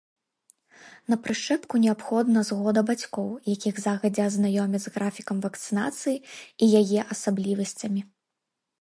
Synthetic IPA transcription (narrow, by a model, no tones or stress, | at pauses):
nɐpɾɨʂɛpkunʲɛapxɔd̪nɐzɣɔd̪ɐbat͡sʲkɔwjakʲiɣzaɣɐd͡zʲɛɐznajɔmʲɛd̪zɣɾafʲikɐmvɐkt̪sɨna̰t̪sɨjiijajɛʔɐsablʲivɐsʲt͡sʲɐmʲi